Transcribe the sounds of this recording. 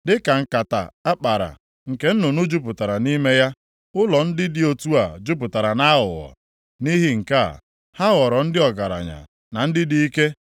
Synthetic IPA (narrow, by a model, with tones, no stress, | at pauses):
dɪ˦ka˨ŋ̩˨ka˨ta̰˨a˦k͡pa˨ɾa̰˨ | ŋ̩˨ke˨n̩˦nʊ˨nʊ˦d͡ʒʊ˦p̬ʊ˨ta˨ɾa˨ni˦me˦ja˦ | ʊ˦lɔ˨n̩˦dɪ˦dɪ˦o˨tu˦a˨d͡ʒʊ˦p̬ʊ˨ta˨ɾa˨na˦ɦʊ̰˨ɣɔ̰˨ | ni˦ɦi˦ŋ̩˨ka̰˦˨ | ha˦ɣɔ˨ɾɔ˨n̩˦dɪ˦ɔ˨ɡa˨ɾa̰˨ɲa̰˨ | na˨n̩˦dɪ˦di˦i˦ke˦